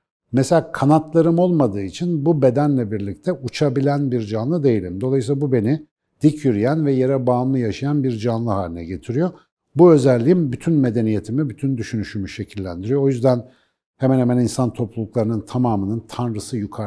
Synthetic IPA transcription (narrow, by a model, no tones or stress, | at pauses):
mese̞lʲaːkʰanat̪lˠaɾɯmo̞lˠmad̪ɯːit͡ʃʰinbube̞d̪ænlʲɛbiɾlʲic̚t̪ʰɛʔut͡ʃʰabilʲænbiɾd͡ʒanlˠɯd̪e̞jilʲimd̪olˠajslˠabube̞ni | d̪̥icʰjyɾyjænvɛjeɾɛbaːmlˠɯjaʃajanbiɾd͡ʒanlˠɯɦaːlʲinɛ̰ɟe̞t̪ʰiɾijo̞ | buø̞zælʲːijimbyt̪ʰynme̞d̪e̞nije̞t̪ʰimibyt̪ʰynd̪yʃynyʃymyʃe̞cʰilʲːæ̰nd̪iɾijoojyzd̪æn | hemænhemæninsant̪ʰo̞plˠulˠuklˠaɾɯnɯnt̪ʰamaːmɯnɯnt̪ʰanɾɯsɯjukʰa